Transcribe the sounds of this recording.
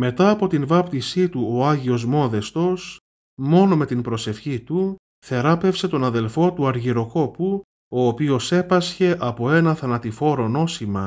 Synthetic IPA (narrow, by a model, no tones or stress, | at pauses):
me̞t̪ɐːpo̞t̪invɐpt̪isit̪uoɐʝio̞zmo̞ðe̞st̪o̞s | mo̞no̞me̞t̪inpɾo̞se̞fçit̪u | θe̞ɾɐpe̞fse̞t̪o̞nɐðe̞lfo̞t̪uɐɾʝiɾo̞ko̞pu | o̞ːpio̞se̞pɐsçe̞ʔɐpo̞e̞nɐθɐnɐt̪ifo̞ɾo̞no̞simɐ